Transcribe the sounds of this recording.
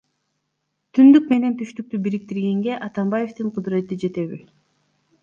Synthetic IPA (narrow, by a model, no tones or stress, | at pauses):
t̪ʰynd̪yk̚me̞ne̞nt̪ʰyʃt̪yk̚t̪ybiɾik̚t̪iɾɡe̞ŋɡe̞ʔɑt̪ɑmbaje̞ft̪ɯɴqʰʊd̪ɾe̞t̪id͡ʒe̞t̪e̞βi